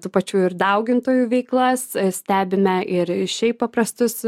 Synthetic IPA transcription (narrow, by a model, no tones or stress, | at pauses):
t̪uːpɐt͡ʃʲuːɪɾd̪ɐʊɡʲɪnt̪oːjuːʋʲɛɪklˠɐssʲt̪ʲæːbʲɪmʲɛʔɪɾʃʲɛɪppːɐpɾɐst̪ʊs